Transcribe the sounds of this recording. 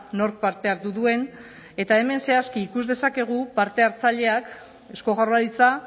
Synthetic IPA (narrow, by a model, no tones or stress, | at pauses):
no̞ɾk̚paɾt̪e̞aɾt̪uðue̞n | e̞t̪ae̞me̞nse̞askiːkuzðe̞sake̞ɣ̞upaɾt̪e̞aɾt͡saʎe̞ak | e̞sko̞ɣaraɾit͡sa